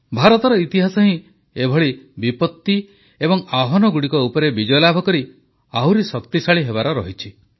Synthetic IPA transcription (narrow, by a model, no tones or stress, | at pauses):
bʱaɾɔt̪ɔɾɔit̪iɦasɔɦĩ | ebʱɔɭibipɔt̪ːi | ebɔŋaɦɔnɔɡuɽikɔupɔɾebid͡ʒɔjɔlabʱɔkɔɾi | awɾesɔkt̪isaɭiɦeβaɾɔɾɔɦit͡ʃʰi